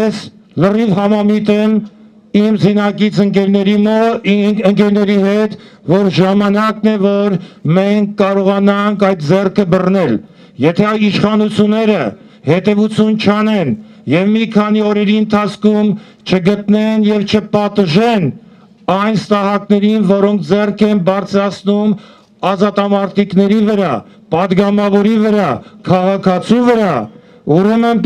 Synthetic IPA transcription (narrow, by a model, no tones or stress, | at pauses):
jɛs | lərivhɑmɑmit̪ɛm | imzinɑkit͡sʰəŋkɛɾnɛɾim | əŋkɛɾnɛɾihɛt̪ | vɔɾʒɑmɑnɑknɛvɔɾmɛŋkʰːɑɾɔʁɑnɑŋkʰɑjt̪̚d͡zɛrkʰəbərnɛl | jɛt̪ʰɛɑjiʃχɑnut͡sʰjunːɛɾə | hɛt̪ɛvut͡sʰjunt͡ʃʰɑnɛn | jɛvmikʰɑniɔɾɛɾiənt̪ʰɑt͡sʰkʰum | t͡ʃʰəɡət̪nɛnjɛvt͡ʃʰəpɑt̪ʒɛn | ɑjnst̪ɑɦɑknɛɾinvɔɾɔŋk̚ʰd͡zɛrkʰɛnbɑɾt͡sʰɾɑt͡sʰnum | ɑzɑt̪ɑmɑɾt̪iknɛɾivəɾɑ | pɑd̪ɡɑmɑvɔɾivəɾɑkʰɑʁɑkʰɑt͡sʰivəɾɑ | uɾɛmən